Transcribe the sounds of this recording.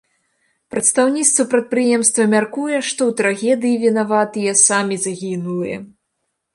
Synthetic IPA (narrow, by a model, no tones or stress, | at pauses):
pɾɐt̪st̪awnʲit̪st̪vɐpɾɐt̪̚pɾɨjɛmst̪vɐmʲarkujɛʂt̪ɔwt̪ɾaɣʲɛd̪ɨjivʲinavat̪ɨjɛsamʲizaɣʲinulˠɨjɛ̰